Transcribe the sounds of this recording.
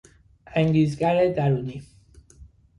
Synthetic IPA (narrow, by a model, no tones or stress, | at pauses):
ʔæŋɟiːzɡæɾed̪æɾuːni